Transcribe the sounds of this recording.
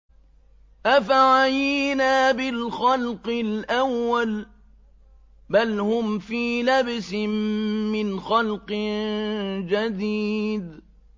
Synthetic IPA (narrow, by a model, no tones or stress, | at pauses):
ʔafaʕajinaːbɪlxalqɪlʔawːal | balhʊmfiːlabsɪmːɪnxalq | d͡ʒad̪iːd̪